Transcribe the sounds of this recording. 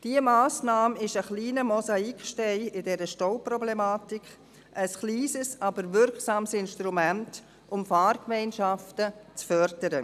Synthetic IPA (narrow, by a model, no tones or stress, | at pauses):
d̥iəmaːsnɑːmɪʃəχliːnəmɔsaikʃtɛɪɪdɛɾəʃtoʊprɔblɛmaːtik | ʔəsχliːsəsɑbəɾvɪɾksɑːmsɪnʃtɾumænt | ʔʊmfɑːrkmɛɪnʃɑftət͡sfœɾdəɾə